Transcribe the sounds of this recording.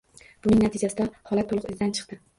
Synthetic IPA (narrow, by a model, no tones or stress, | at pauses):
b̥ʊnɪŋnat̪ʰɪd͡ʒasɪd̪ahɒlat̪ʰːolˠʊqɪzɪd̪ant͡ʃʰɨ̥qt̪ɪ